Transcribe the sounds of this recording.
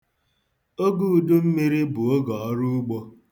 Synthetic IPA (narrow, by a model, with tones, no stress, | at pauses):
o˦ɡu˦˨du˦m̩˦mi˦ɾi˦bʊ˨o˦ɡɔ˨ɔ˦ɾu˦ɡ͡bo˦